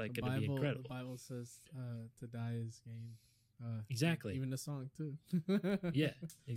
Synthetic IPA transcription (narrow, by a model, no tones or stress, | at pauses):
aɪəɡ̥ɨ̃baɪɨ̃bl̩kʰˠɹ̥ɛɾəəbbaɪbl̩ˠsɛz̥ʌtʰɨdaɪɪzɡ̥ẽɪ̃m | ʌɨɡzæk̚tˡliivɨ̃n̩ðɨsɔ̃ŋtʰʉ | jæɨ